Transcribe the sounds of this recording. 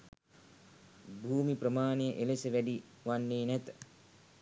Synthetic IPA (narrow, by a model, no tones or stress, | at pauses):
bʱuːmiprəmaːnejəʔelesəʋæɖiʋanːeːnæt̪ə̥